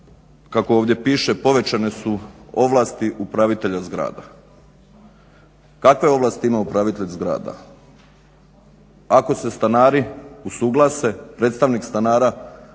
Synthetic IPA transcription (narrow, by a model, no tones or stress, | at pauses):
kakooːʋd̪ʲje̞piːʃepo̞ʋe̞t͡ʃane̞suo̞ʋlˠaːst̪iʔupɾaʋit̪e̞ʎazɡɾa̰ːd̪a̰ | kakʋe̞o̞ʋlˠaːst̪iimaupɾaʋit̪eʎzɡɾa̰ːd̪a̰ | ako̞se̞st̪anaːɾiusuɡlˠase̞pɾet̪st̪aʋnikst̪anaːɾa